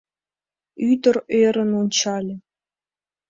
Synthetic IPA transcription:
yd̪ɤ̆reɾə̆nunʲt͡ɕɑlʲɘ̆

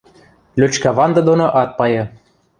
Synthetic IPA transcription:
lʲøt͡ɕkæβɑnd̪ɤ̆d̪onoʔɑt̪̚pɑjɤ̆

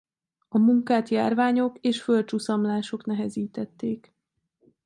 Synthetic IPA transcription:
ɒmuŋkaːt̪ja̰ːrvaːɲo̞keːʃfø̞lt͡ʃusɒmlaːʃo̞knɛɦɛziːt̪ɛt̪ːeːk

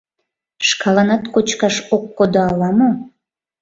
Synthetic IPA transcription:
ʃkɑlɑnɑt̪kot͡ɕkɑʃokːod̪oɑlɑmo

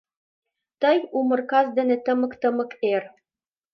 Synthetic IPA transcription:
t̪ɤjumɤ̆rkɑzd̪ɘ̆nɘ̆t̪ɤ̆mɤ̆kt̪ɤ̆mɤ̆ker

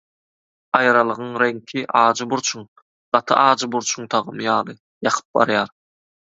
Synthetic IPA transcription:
ɑjɾɑlˠɯʁɯŋɾe̞ŋkʲʰiʔɑːd͡ʒɯbuɾt͡ʃʰuŋ | ɢ̥ɑt̪ʰɯʔɑːd͡ʒɯbuɾt͡ʃʰuŋt̪ʰɑʁɯmjɑːlˠɯ | jɑqʰɯ̥p̚bɑ̰ɾjɑːɾ

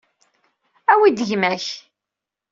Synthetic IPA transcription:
æwid̪əʝmæç

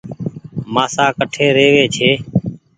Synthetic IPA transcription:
maːsaːkəʈʰeːɾeːʋeːt͡ʃʰeː

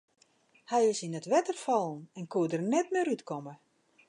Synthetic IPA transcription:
hɛjɪsinətʋɛtərfɔlˠn̩ɛnkuədərnɛtmɪɾytkɔmə

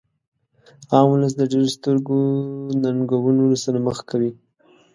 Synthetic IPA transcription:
ɑmuləs̬d̪əɖeɾost̪əɾɡonaŋɡawunolasaɾaməxkʰawi

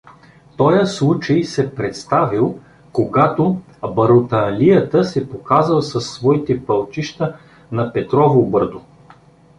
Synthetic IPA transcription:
t̪ɔjəslˠut͡ʃəjsɛpɾɛt̪st̪avilˠ | koɡat̪o | bɐɾot̪ɐːlijət̪əsɛpokazəlˠsɐsːvɔit̪ɛpɐlˠt͡ʃiʃt̪ə | nɐpɛt̪ɾɔvobɤɾd̪o

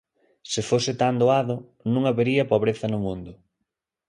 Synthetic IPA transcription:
sɪfosɪt̪and̪oaðʊ | nũŋaβeɾiɐpoβɾeθɐnʊmũnd̪ʊ

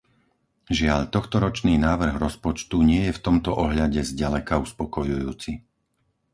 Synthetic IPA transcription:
ʒɪaʎt̪ɔxt̪ɔɾɔt͡ʃniːnaːʋr̩ɣɾɔspɔt͡ʃt̪uɲɪɛjɛft̪ɔmt̪ɔʔɔɦʎaɟɛzɟalɛkauspɔkɔjujuːt͡si

